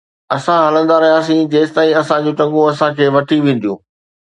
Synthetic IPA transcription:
ɐsãɦaːlə̃nd̪aɾɐɦĩaːs̬ĩd͡ʑeːst̪aːĩɐsãd͡ʑõːʈɐ̃ŋɡõɐsãkʰeːʋɐʈʰiʋẽːn̆d̪ijũː

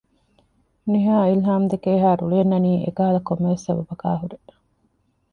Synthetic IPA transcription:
niɦaːilɦaːmd̪ekeːɦaːɾuluenːɐniːʔḛkɐɦɐlɐkomːeʋesːɐbɐbɐka̰ːɦuɾe

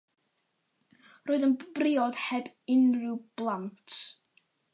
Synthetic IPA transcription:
roːɨðənb̥rɪɔd̥hɛbɪnruwb̥lˠantʰ

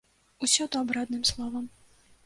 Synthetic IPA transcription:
usʲɔt̪ɔabɾad̪nɨmslˠɔvɐm

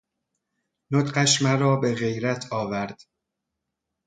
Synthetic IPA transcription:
not̪ɢæʃmæɾɒːbe̞ɣe̞jɾæt̪ʰɒːvæɾd̪̥

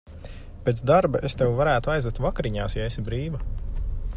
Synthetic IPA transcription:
pʲet̪d̪aɾbaʔest̪ewvaɾæːt̪uajzɛt̪vakaɾiɲaːsjaesibɾiːvɐ

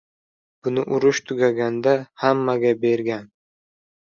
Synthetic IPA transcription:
b̥ʊnɪʔʊɾʊʃt̪ʰʊɡʲaɡʲand̪ahamːaɡʲabe̞ɾɡʲan

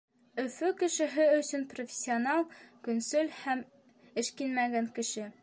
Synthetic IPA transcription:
ɵ̆fɵkɘ̆ʃɘ̆ɦɘɵ̆sɵnprofʲɪ̥sʲːionɑlˠkɵ̆nsɵlhæm | ɘ̆ʃkinmæɡæŋkɘ̆ʃɘ

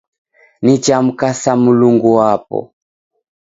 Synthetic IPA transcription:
nit͡ʃam̩kasamuluŋɡuwapɔ̰

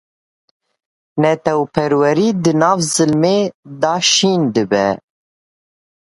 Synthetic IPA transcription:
nɛt̪ɛwpʰɛɾwɛɾiːd̪ɨnɑːvzɨlmeːd̪ɑːʃiːnd̪ɨbɛ̰

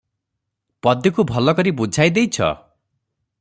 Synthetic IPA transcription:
pɔd̪jɔkubʱɔlɔkɔɾibud͡ʒʱajd̪ejt͡ʃʰʌ̰

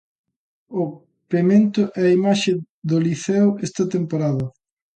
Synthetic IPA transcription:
ʊ | pemẽnt̪ʊʔɛɐimaʃe | ðoliθɛwest̪at̪empoɾaðʊ

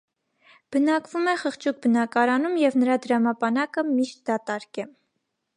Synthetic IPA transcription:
b̥ənɑkvumɛχəχt͡ʃʰuk̚bənɑkɑɾɑnumjɛvnəɾɑd̪əɾɑmɑbɑnɑkəmiʃt̪̚d̪ɑt̪ɑɾkɛ

